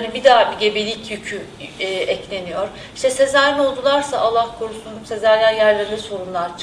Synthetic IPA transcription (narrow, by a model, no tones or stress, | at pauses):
nibid̪aːbiɟe̞belʲicjycʰy | ʔɛclʲe̞nijoɾ̥ | i̥ʃt̪ʰɛse̞zæɾno̞lˠd̪ulˠaɾsaʔalˠːahkʰo̞ɾusund̪umse̞zæɾjʲajæɾlʲeɾinɛso̞ɾunlˠaɾt͡ʃʰ